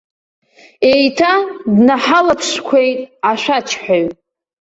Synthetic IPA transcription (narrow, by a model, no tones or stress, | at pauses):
ejtʰadnaħalapʰʂkʷʰe̞jtʼaʃʷᶣat͡ʃʰħoɥ